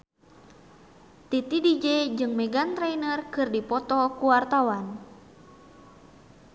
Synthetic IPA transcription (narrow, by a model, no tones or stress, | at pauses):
t̪it̪idid͡ʒɛd͡ʒɨŋmɛɡant̪ɾɛjnərkɨrdipɔt̪ɔkuwart̪awan